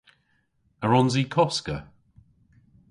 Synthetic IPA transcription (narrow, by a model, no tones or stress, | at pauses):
əɹɔnziːkʰɔskə̰